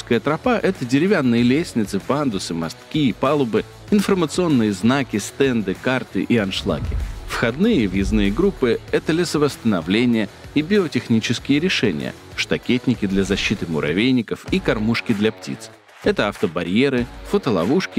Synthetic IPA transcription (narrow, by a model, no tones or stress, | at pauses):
skəjət̪ɾɐpaʔɛt̪ədʲɪɾʲɪvʲanːɨjəlʲesʲnʲɪt̪sɨpand̪ʊsɨmɐst̪kʲiːpalˠʊbɨ | ɪnfərmət̪sɨo̞nːɨjəznakʲɪst̪ɛnd̪ɨkart̪ɨ̰ʔiɐnʂlˠa̰kʲɪfxɐd̪nɨjəvjɪznɨjəɡɾupːɨɛt̪əlʲɪsəvəst̪ənɐvlʲenʲɪjə | ibʲɪotʲɪxnʲit͡ɕɪskʲɪjəɾʲɪʂɛnʲɪ̰jə̰ | ʂt̪ɐkʲetʲnʲɪkʲɪd̪lʲɐzɐɕːit̪ɨmʊ̰ɾɐ̰vʲejnʲːɪkəfikɐrmuʂkʲɪd̪lʲɐptʲḭt̪s | ɛt̪əɐft̪əbɐɾʲjeɾɨfot̪əlˠɐ̰vuʂkʲɪ